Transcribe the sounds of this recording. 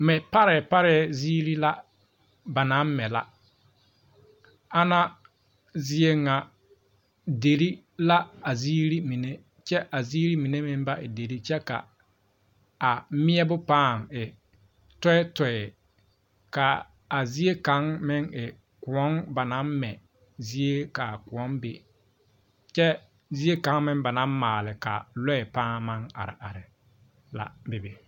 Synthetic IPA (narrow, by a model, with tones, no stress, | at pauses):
mɪ˨pa˦ɾɛ˨pa˦ɾɛ˦zi˦ɾi˦la˦ | ba˨na˨˦m˦mɛ˨la̰˦ | a˦na˦ | zɪ˦e˦ŋa˨ | de˨ɾi˦ | la˦a˨zi˦ɾi˦mi˨ne˦ | t͡ʃɛ˦ʔa˨ziː˦ɾi˦mi˨ne˦mɪ˦m˦ba˦ʔɪ̰˨de˨ɾi˦t͡ʃɛ˦ka̰˨ | a˨mɪ˦ɛ˦bʊ˦paː˦˨ŋɪ˨ | tɔ˦ɛ˦tɔ˨ɛ˨ | ka˨ | a˨zi˦e˦ka˨˦ŋmɪ˦ŋɪ˨ | kʊ˨ɔ˦ŋba˨na˦mmɛ˨ | zi˦e˦ka˨kʊ˨ɔ˦nbɪ̰˨ | t͡ʃɛ˦ | zi˦e˦kã˨˦ŋmɪ˦ŋba˨nã˦mmaː˨lɪ˨ka̰˨lɔ˦ɛ˨paː˦ma˦ŋa̰˨ɾɪ̰˨ʔa̰˨ɾɪ˨ | la̰˨bɪ˨bɪ˨